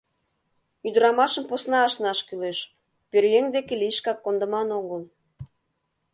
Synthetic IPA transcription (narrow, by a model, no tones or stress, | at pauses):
yd̪əɾɑmɑʃəmposnɑːʃnɑʃkyleʃ | pørjeŋd̪ekeliʃkɑkːond̪ə̆mɑnoɣəl